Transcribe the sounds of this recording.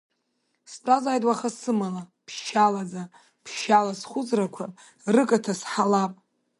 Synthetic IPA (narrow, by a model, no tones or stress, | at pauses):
sʈ͡ʂʷʼazaːjtʼwaχasɨmalapʰʃalad͡za | pʰʃalasχʷʊd͡zrakʷʰa | rɨkʼatʰasħalapʼ